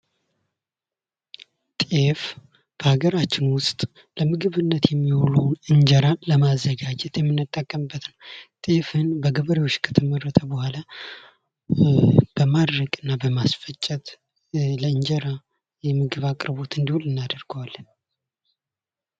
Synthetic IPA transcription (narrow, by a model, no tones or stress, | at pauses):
t̪ʼef | b̥əhaɡəɾat͡ʃːɪnwʊst̪ʼ | ləmɨɡɨβɨnːət̪jɛmːiholəwnɨɲd͡ʒəɾanləmazːəɡad͡ʒɛt̪jɛmːɨnːɨt̪ʼːəkʼːəmɨbːət̪nəwt̪ʼefɨnbəɡəβəɾewot͡ʃːkʰə̥t̪ʰəmərət̪ʰəbəhʷala | b̥əmad̪ɾəɡʼɨnːabəmasfət͡ʃʼːət̪ | ləɨɲd͡ʒəɾa | jɛmɨɡɨβakʼɾbo̞t̪ɨnd̪iholɨnːad̪əɾɡəwal